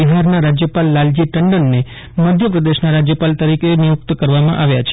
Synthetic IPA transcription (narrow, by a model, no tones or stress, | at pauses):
iɦaɾnaɾad͡ʒjəpalːald͡ʒiʈəɳɖənːe | məd̪ʱjəpɾəd̪eʃnaɾad͡ʒjəpalt̪əɾikʰenijuk̚t̪kəɾʋamã̰ʔaʋjat͡ʃʰ